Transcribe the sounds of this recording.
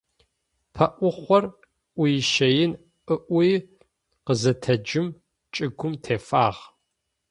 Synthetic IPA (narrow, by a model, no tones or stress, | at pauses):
pʰɐʔʷʊχʷɔr | ʔʷʊjɪʃɐjɪn | ʔəʔʷʊj | qəzɐtʰɐd͡ʒɪm | t͡ʃʼɪɡʷʊmtʰeːfaːʁ